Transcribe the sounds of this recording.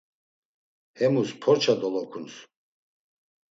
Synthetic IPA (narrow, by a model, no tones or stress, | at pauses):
hɛmuspʰɔɾt͡ʃʰad̪ɔlɔkʰuns